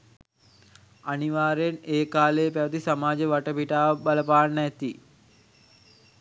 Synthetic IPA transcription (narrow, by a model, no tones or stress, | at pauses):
aniʋaːɾejneːkaːlejpæʋət̪isamaːd͡ʒəʋaʈəpiʈaːʋbaləpaːnæt̪i